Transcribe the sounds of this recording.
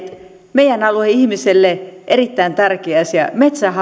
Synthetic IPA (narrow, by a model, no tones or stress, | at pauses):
t̪ | meijænɑlueihmiselːeʔerit̪ːæint̪ɑrkeɑsjɑ̰met̪sæhɑ